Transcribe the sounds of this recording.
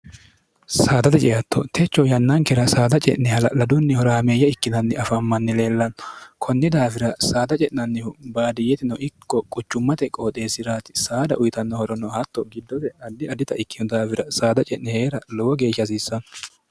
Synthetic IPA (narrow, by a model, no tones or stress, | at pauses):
saːd̪ɐt̪ɛt͡ʃʼɛjɐt̪ːɔt̪ʰɛt͡ʃːɔjɐnːɐŋkːɛɾɐsaːd̪ɐt͡ʃʼɛ̰ʔnɛhɐlɐlɐd̪ʊnːɪhɔɾɐːmeːjːɐɪkːɪnɐnːɪɐfɐmːɐnːɪle̞ːlːɐnɔkʰɔnːɪd̪aːfɪɾɐsaːd̪ɐt͡ʃʼɛʔɪnɐnːɪhʊbaːd̪ɪjɛt̪ɪnɔɪkːɔkʼʊt͡ʃːʊmːɐt̪ɛkʼoːt̪ʼe̞ːsɪɾaːt̪ɪ̥saːd̪ɐ̰ʔʊjɪt̪ɐnːɔhɔɾɔnɔhɐt̪ːɔɡɪd̪ːɔt̪ɛɐd̪ːɪɐd̪ɪt̪ɐʔɪkːɪnʊd̪aːfɪɾɐsaːd̪ɐt͡ʃʼɛʔnɛheːɾɐlɔwɔɡe̞ːʃːɐs̬iːsːɐnɔ